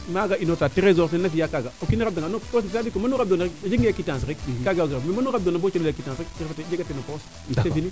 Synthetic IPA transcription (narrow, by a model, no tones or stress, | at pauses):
maɡainotatiɾezoɾsenːafijakaɡaokiniɾab̚daɡanopos̬ntiadikomanuɾab̚donaɾikd͡ʒiŋɡakitãsɾikkaɡɡiɾammanuɾbdonabot͡ʃleakitãsɾikiɾfated͡ʒeɡatenopos | sefini